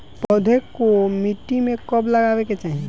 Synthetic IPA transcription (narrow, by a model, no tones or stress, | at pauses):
pɔd̪ʱekomiʈːimẽkɔbləɡaːweket͡ʃaːɦie